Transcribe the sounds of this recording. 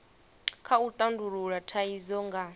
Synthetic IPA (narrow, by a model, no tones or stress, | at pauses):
kʰaut̪ʼanduɺuɺatʰaizɔŋɡa